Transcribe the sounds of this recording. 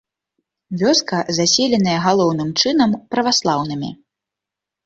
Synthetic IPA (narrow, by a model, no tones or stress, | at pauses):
vʲɔskɐzasʲɛlʲɛn̪ɐjɐɣalˠɔwn̪ɨmt͡ʂɨnɐmpɾɐvaslˠawnɨmʲḭ